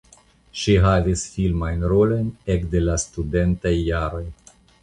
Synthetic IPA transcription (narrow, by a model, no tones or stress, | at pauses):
ʃiɦavisfilmajnɾo̞lo̞jnekde̞lastude̞ntajːaɾo̞j